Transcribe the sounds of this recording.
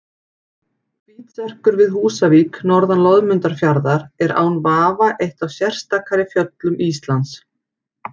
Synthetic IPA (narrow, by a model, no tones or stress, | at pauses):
viːt̪sɛr̥kʏɾvɪðhuːsaviːknɔɾðanlɔðmʏnt̪aɾ̥fjaɾðaɾɛɾʔa̰ːwnvaːvaʔejht̪awsjɛr̥st̪akʰaɾɪfjœt̪lʏmist̪lant̪s